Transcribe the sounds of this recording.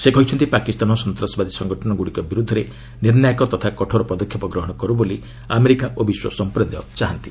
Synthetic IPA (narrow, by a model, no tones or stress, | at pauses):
sekɔjt͡ʃʰɔnt̪ipakist̪anɔsɔnt̪ɾasɔbad̪isɔŋɡɔʈʰɔnɔɡuɽikɔbiɾud̪ʱːɔɾe | niɾnjajkɔt̪ɔt̪ʰakɔʈʰɔɾɔpɔd̪ɔkʰjipɔɡɾɔɦɔɽ̃ɔkɔɾuboli | ameɾikaʔobiswɔ̰sɔmpɾɔd̪ɔt͡ʃaɦant̪i